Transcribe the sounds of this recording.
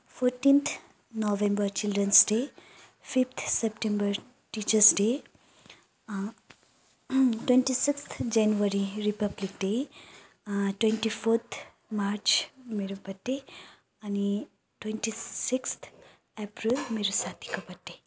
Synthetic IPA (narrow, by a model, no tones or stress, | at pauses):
foɾʈĩnt̪ʰ | nɔʋẽmbəɾt͡ʃilɖɾənsɖe | fift̪ʰsepʈẽmbəɾ | ʈit͡ʃəɾsɖe | twẽnʈisikst̪ʰd͡ʒɛnjuʋəɾiɾipəblik̚ɖe | ʈwẽɳʈifoɾt̪ʰ | maɾt͡ʃmeɾupɐʈːe | ani | ʈwẽnʈisikst̪ʰ | epɾilmeɾusat̪i̥kɐpɐʈːe